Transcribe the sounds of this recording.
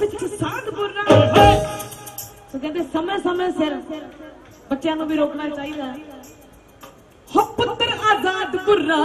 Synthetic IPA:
ɪəsaːd̪bʊa | soːkɛ̃ːnd̪eːsəmẽːsəmẽːseɾ | bətːʃjãːnũːbiːɾoːknaːɾkaːiːd̪ãː | hopːət̪əɾaːzaːd̪bʊɾːaː

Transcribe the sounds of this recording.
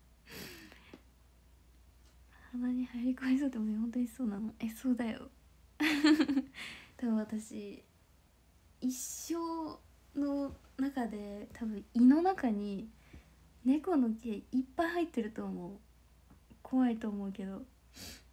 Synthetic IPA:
hanaɲ̟ihaɾʲikoais̬ot̪ːemoehont̪̬oɲiso̞ːnanoʔe̞so̞ːd̪ajo̞̰ | t̪abɯ̟̃ɰ̃βat̪aɕi | iɕːo̞ː | no̞nakad̪e̞t̪ʰabɯ̟̃ɰ̃ino̞nakaɲ̟i | ne̞ko̞nokʲeipːaihait̪ːe̞ɾɯ̟t̪o̞ːmo | kʰo̞βait̪o̞ːmo̞ɯ̟ke̞d̪o̞

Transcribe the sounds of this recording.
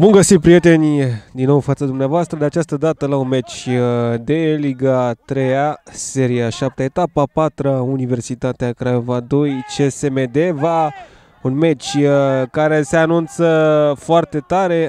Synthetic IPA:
vomɡəsit̪̚pɾije̞t̪e̞nʲd̪inːo̞wfat̪səd̪umneavoast̪ɾəd̪eat͡ʃast̪əd̪at̪əlaunme̞t͡ʃʲd̪e̞liɡat̪ɾe̞jase̞ɾiaʃap̚t̪eaet̪apapat̪ɾəunive̞rsit̪at̪eakɾaevad̪o̞jt͡ʃesemed̪eva | unme̞t͡ʃʲkaɾe̞se̞anunt̪səfoart̪e̞t̪aɾe̞

